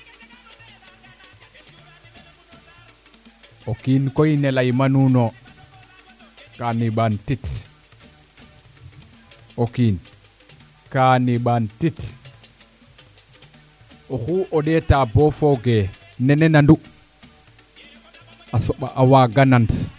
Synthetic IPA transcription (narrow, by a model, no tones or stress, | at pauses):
ʔokinkɔjnɛlajmanunɔ | kaniɓantit | okin | kaniɓantit | ɔxuʔɔɗɛtabɔfɔɡɛ | nɛnɛnandu | asɔɓaʔawaɡanant